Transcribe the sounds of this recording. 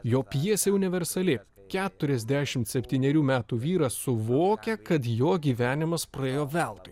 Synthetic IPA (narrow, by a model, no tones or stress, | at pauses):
joːpʲjiɛsʲeʊnʲɪʋʲɛɾsɐlʲɪ | kʲæːt̪ʊɾʲɛzʲd̪ʲæːʃʲɪmt̪sʲɛpʲt̪ʲiːnʲɛɾʲuːmʲæːt̪uːʋʲiːɾɐsʊʋoːkʲɛkɐt̪joːɡʲiːʋʲæːnʲɪmɐspɾɐeːjoːʋʲɛlˠt̪ʊɪ